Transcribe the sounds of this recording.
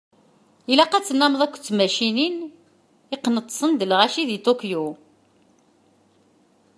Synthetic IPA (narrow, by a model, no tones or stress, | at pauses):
ilæqæt͡sːənːæməðˤækʷːt͡sːmæʃinin | iqːnət̪ˤːsˤənd̪əlʁæʃiðit̪okju